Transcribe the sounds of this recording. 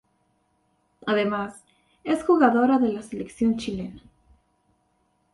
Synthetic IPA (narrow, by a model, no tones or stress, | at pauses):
aðe̞mas | e̞sxuɣaðo̞ɾaðe̞lase̞leksjo̞nt͡ʃile̞na